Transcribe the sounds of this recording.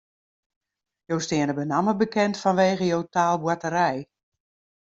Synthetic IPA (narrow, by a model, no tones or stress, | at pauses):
jowstɪənəbənaməbəkɛntfɔnʋeːɣəjowtaːlˠbwatəɾɛj